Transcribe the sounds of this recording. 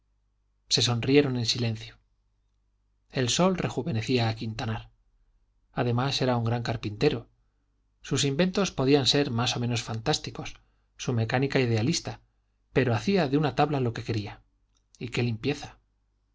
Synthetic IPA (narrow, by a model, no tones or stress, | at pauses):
se̞so̞nrje̞ɾo̞ne̞nsilẽ̞n̟θjo | e̞lso̞lre̞xuβe̞ne̞θiaːkint̪anaɾ | aðe̞mase̞ɾauŋɡɾaŋkaɾpint̪e̞ɾo̞ | susimbe̞nt̪o̞spo̞ðianse̞ɾmaso̞mẽ̞no̞sfant̪ast̪iko̞sː | ume̞kanikaiðe̞alist̪a | pe̞ɾo̞aθiaðeunat̪aβlalo̞ke̞ke̞ɾia | ike̞limpje̞θḁ